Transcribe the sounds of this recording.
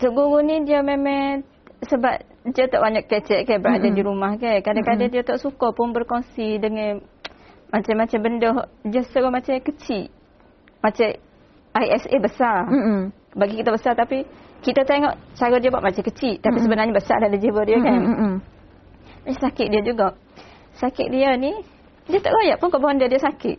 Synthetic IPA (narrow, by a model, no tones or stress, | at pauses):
t̪uʔɡuɾunidiəmemɛ̃ | səbap̚ | diət̪ɔʔbaɲaʔkːət͡ʃɛʔ̪̚kajbəɾa̰ʔdadiɾumahkajkadakadadiət̪ɔʔsukɔpʊnbərkɔŋsidəŋɛn | mat͡ʃamːat͡ʃambəndɔhdiəsəɾɔmat͡ʃakət͡ʃiʔ | mat͡ʃɛ | ajɛsebəsar | baɡikit̪əbəsat̪apikit̪ət̪eŋɔʔt͡ʃaɾodiəbuaʔmat͡ʃakət͡ʃiʔt̪apisəbənarɲəbəsa̰rdadad͡ʒiwədiəkan | maasakɪt̪̚diəd͡ʒuɡaʔ | sakɪʔ̪̚diəni | diət̪a̰ʔɡojaʔpʊnkabaɔndiədiəsakɪ̰ʔ̪̚